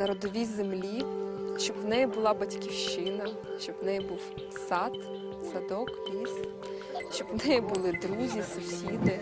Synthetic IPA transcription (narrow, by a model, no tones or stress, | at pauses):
nɐɾɔd̪ɔʋʲizemlʲiʃt͡ʃɔbwnɛjibʊlˠɑbɐtʲkʲiwʃɪnɐ | ʃt͡ʃɔbwnɛjibuw | sɑt̪ | sɐd̪ɔklʲisʲ | ʃt͡ʃɔbwnɛjibʊlˠɪd̪ɾuzʲisʊsʲid̪ɪ